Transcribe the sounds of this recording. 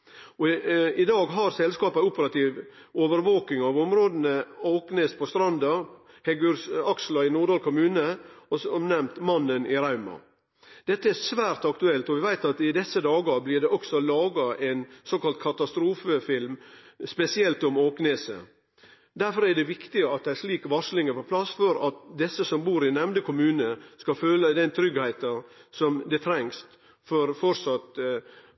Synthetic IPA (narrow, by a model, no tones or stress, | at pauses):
ɔɪd̪ɑːɡɦɑɾsɛlskɑːpɑʊpəɾɑt̪iːʋ | oːʋəɾʋoːkɪŋɑʋɔmɾoːd̪nəoːkneːspʰɔst̪ɾɑnd̪ɑɾ | hɛɡʉɾsɑkslɑɪnuɖ̪ɑɾkʰʊmʉːnəɔsɔmnɛmt̪mɑnːənʔɪɾɑʉmɑ̰ | d̪̥ɛt̪ːəæsʋæːɾt̪ɑkt̪ʉɛlt̪ɔʋɪʋæɪt̪ɑt̪ɪd̪ɛsːəd̪ɑːɡəblɪɖ̪ɛʔɔksɔlɑːɡɑʔensoːkɑlt̪̚kʰɑt̪ɑst̪ɾuːfəfɪlm | spɛsɪɛlt̪ɔmoːkneːsə̰ | d̪æɾfɔɾæɖɛʋɪkt̪ɪəɑt̪̚d̪ɛææɾʂliːkʋɑʂlɪŋəpɔpʰlɑsfɔɾɑt̪d̪ɛsːəsɔmbuːɾɪnɛmd̪əkʊmʉːnəskɑføːləd̪ɛnt̪ʰɾʏɡhæɪt̪ɑsɔmd̪ɛt̪ʰɾɛŋs | fɔɾfɔɾsɑt̪